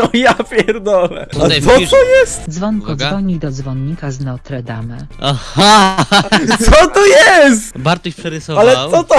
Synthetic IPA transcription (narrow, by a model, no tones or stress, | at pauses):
ɔijapʲjɛɾd̪ɔvɛ̰at̪ɔt̪ɔjɛst̪d̪zvɔŋkɔd̪zvɔɲːiɡd̪ɔd̪zvɔnːikaznɔt̪ɾɛd̪amɛaha | ɔt̪ɔjɛst̪baɾt̪ɔɕpʂɛɾɪsɔalɛt̪ɔt̪ɔ